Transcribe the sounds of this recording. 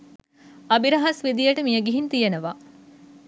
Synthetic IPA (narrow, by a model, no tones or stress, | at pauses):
ɐbiɾɐɦɐsʋid̪ijɐʈəmijəɡiɦint̪ijenəʋaː